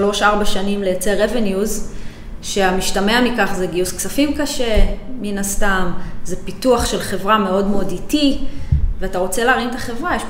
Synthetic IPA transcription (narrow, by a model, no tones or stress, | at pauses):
lo̞ʃaʁbaʃanimlejat͡se̞ʁevenjuz | ʃe̞amiʃtameamikaχze̞ɡiusksafimkaʃe̞minastamze̞pituaχʃe̞lχe̞vʁame̞o̞dmeo̞diti | veataʁo̞t͡se̞leaːʁimt̪aχe̞vʁajeʃ